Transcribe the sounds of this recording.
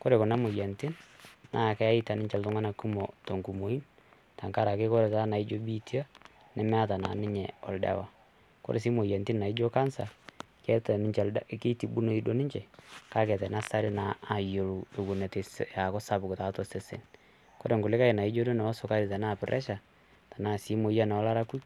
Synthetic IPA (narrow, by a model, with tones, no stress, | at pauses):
kɔ˦ɾe˨kʊ˨na˦mʊ˨ja˨ntɪ˦nna˦˨kɛ˦a˦ɪ˦ta˨nɪ˦ɲt͡ʃɛ˨ltʊ˦ŋa˦na˨ku˦mo˨to˨ŋku˨mo˨i˦n | ta˨ŋka˦ɾa˨ke˦kɔ˦ɾe˨ta˦na˨i˦d͡ʒo˦bi˦ti˦a˦ | nɛ˨mɛ˦a˦ta˨na̰˨nɪ˦ɲɛ˨ɔ̰˨lda̰˦wa˨ | kɔ̰˦ɾe˨si˦mo˨ja˨nti˦nna˨ɪ˦d͡ʒo˦ka˦nsa˨ | kɛ˦tɛ˨nɪ˦t͡ʃɛ˨lke˦ti˨bu˦no˦i˦do˦nɪ˦ɲt͡ʃɛ˨ka˦kɛ˨tɛ˨na˦sa˦ɾɪ˦naː˨jo˨lu˨ɪ˨ku˨nɛ˨te˨sja˨kɔ˦sa˦bʊ˨kta˨˦tɔ˨se˨sḛ˨n | kɔ˦ɾe˨ŋɡʊ˨lɪ˦ka˦ɪ˨na˨i˦d͡ʒo˦do˦nɛ˨ɔ˦sʊ˨ka˦ɾɪ˨ta˨na˦˨pɪ˨ɾʔɛ̰˦ʃa˨ | ta˨na˨si˨˦mo˨ja˦nɛ˨ɔ˦la˦ɾa˦ku˦